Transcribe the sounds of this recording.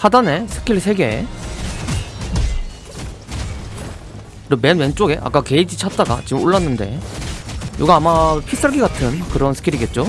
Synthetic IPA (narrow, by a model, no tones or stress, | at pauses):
hadane̞sʰɯ̥kʰiɾsʰe̞ɡe̞ | ɾemenwe̞nt͡ɕ͈oɡe̞ʔa̰k͈akeid͡ʑit͡ɕʰat̚t͈aɡa̰t͡ɕiɯmoɭːanːɯnde̞̰ | joɡaamapʰis͈aɭɡiɡatʰɯnkɯɾʌnsʰɯ̥kʰiɾiɡe̞t̚t͡ɕ͈o